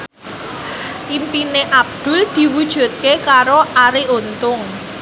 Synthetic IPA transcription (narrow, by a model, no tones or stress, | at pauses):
ʔimpineʔab̚d̪̥ʊ̤ld̪̥i̤wud̥ʒ̥ṳt̪̚kekaɾoʔaɾeʔont̪ʊŋ